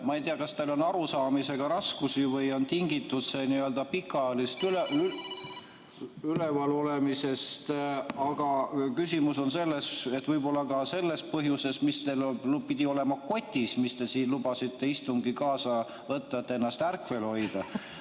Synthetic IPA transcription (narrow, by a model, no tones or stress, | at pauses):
mɑejt̪eɑkɑst̪elo̞nɑɾusɑːmise̞ɡ̥ɑɾɑskusivɤjo̞nt̪iŋɡit̪ːut̪seniøld̪ɑpikːˑɑɑjɑlist̪yle | ylevɑlo̞le̞mise̞st̪ɑɡ̥ɑkysimuso̞nse̞lːese̞t̪ːvɤjbo̞lːɑkɑse̞lːe̞spɤɦjuse̞smist̪elpid̪̥ʲio̞le̞mɑko̞t̪ʲːismist̪e̞siːnlub̥ɑsit̪ːe̞ist̪uŋɡikɑːsɑ | vɤt̪ːɑet̪ːeenːɑst̪ærkve̞lo̞jd̪̥ɑ